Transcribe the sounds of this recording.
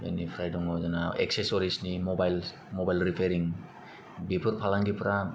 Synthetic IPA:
ja̰nipʰɾajdɔŋɔzanaḛksesɔɾisnimobajl | mobajlɾipʰeɾiŋ | bipʰɯɾpʰalaŋɡipʰɾa

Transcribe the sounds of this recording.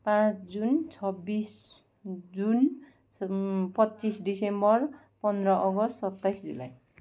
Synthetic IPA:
pãt͡sʰd͡zunt͡sʰʌbis | d͡zun | pʌtːt͡sisɖisembʌr | pʌnd̪ɾʌʔʌɡʌstsʌt̪ːajsd͡zṵla̰j

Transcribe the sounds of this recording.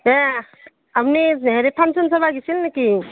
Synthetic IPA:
e | amniɦeɾepʰansunsaβaɡisilnaki

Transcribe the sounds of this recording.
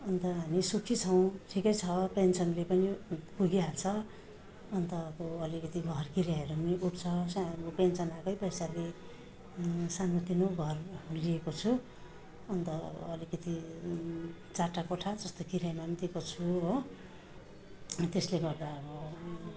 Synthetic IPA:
ʌnt̪ʌɦamisukʰit͡sʰʌw̃ʈʰikʌjt͡sʰʌpensʌnlepʌnipuɡialt͡sʰʌ | ʌnt̪ʌːbʌːlikʌt̪iɡʱʌrkiɾjaɦʌɾuniuʈʰt͡sʰʌsaopensʌnakʌjpʌjsale | sanot̪inoɡʱʌrliekot͡sʰu | ʌnt̪ʌʌ̰b̰ːlikʌt̪i | t͡saʈakoʈʰad͡zʌst̪okiɾjamant̪iekot͡sʰuɦo | t̪esleɡʌrd̪aʌbʌ

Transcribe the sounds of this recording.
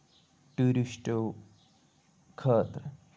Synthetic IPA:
ʈuɾiʃʈo | kʰɐːt̪ɾ

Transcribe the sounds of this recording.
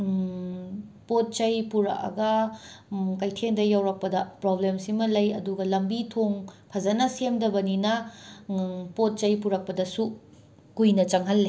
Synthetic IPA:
pot̚t͡ʃɐjpuɾɐ̰kɐ̰ɡɐ | kɐjtʰendɐjawɾɐk̚pɐdɐpɾoblemsimɐlɐjɐduɡɐlɐmbitʰoŋpʰɐzɐnɐsemdɐbɐninɐ | pot̚t͡ʃɐjpuɾɐk̚pɐdɐsu | kujnɐt͡ʃɐŋɦɐlːe

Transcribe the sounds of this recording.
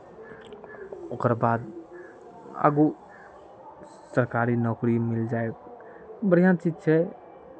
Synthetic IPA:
okəɾbad̪ | ə̰ɡu | səɾkaɾinɔkɾimild͡ʒaek | bəɾijãt͡ʃid͡ʒt͡ʃʰɛ

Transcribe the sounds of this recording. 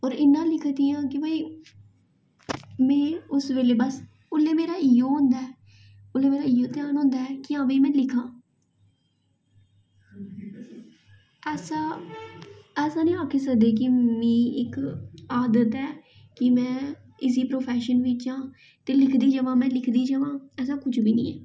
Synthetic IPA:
ɔːɾɪnːãːlɪkʰd̪ɪjãːkɪbaːiː | mɛ̃ːʊsʋeːleːbəs | ʊlːeːmeːɾaːɪjõːɦʊ̃nd̪aːɛː | ʊleːmeːɾaːɪjoːt̪ɪjaːnɦõːnd̪aːɛːkɪãːʋẽːmɛ̃ːlɪkʰãː | ɛːsãː | ɛːsãːnĩːaːkʰeːs̬əkd̪eːk̬ɪmĩːɪkaːd̪ət̪ɛː | kɪmɛ̃ː | ɪs̬iːpɾoːpʰɛːʃənʋiːt͡ʃãː | t̪eːlɪkʰd̪iːd͡ʒəʋãːmɛ̃ːlɪkʰd̪iːd͡ʒəʋãːɛːsãːkʊt͡ʃbiːnḭ̃ːɛ̰ː

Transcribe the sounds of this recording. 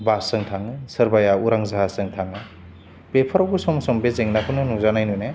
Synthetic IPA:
basɯŋtʰaŋɯsɯɾbajauɾaŋzaɦasɯŋtʰaŋɯ | pepʰɐɾawɡɯsɔmsɔmbezeŋnakʰɯnɯnuŋzanajnujne

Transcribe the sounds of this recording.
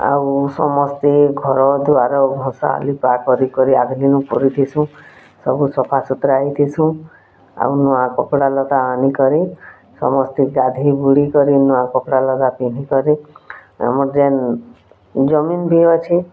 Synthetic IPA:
a̰wsɔ̰mɔst̪iɡʱɔɾɔd̪uaɾɔbʱɔ̃sa̰ːlipakɔɾikɔɾiaɡ̪linũpɔ̰ɾit̪ʰisũ | sɔbusɔpʰasut̪ɾait̪ʰisũ | a̰unuãkɔkɽalɔd̪aːnikɔɾi | sɔ̰mɔst̪iɡad̪ʱibuɽikɔɾinuãkɔkɽalɔd̪apin̤ikɔɾi | a̰mɔd͡ʒen | d͡ʒɔminbʱiɔt͡ʃʰi

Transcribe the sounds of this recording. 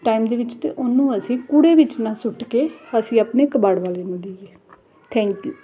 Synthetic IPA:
ʈaːimd̪eːʋɪt͡ʃt̪ḛːʔʊnũːəsĩːkuɽeːʋɪt͡ʃnãːsʊʈkeːəsĩːapneːkəbaːɽʋaːleːnũːd̪eːeː | t̪ʰɛ̃ːŋkjuː

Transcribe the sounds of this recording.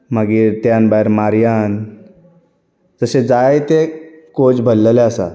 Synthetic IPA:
maɡiːɾt̪janbajɾmaɾjan | d͡zəsed͡zajt̪ekot͡sbʱəlːəleəsa̰

